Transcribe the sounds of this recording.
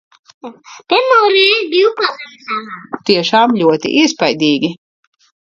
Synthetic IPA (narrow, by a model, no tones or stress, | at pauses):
piɾmoːɾɛːbiwkazamsaat̪iɛʃaːmʎʲuɔt̪ḭʔispajd̪iːɡʲi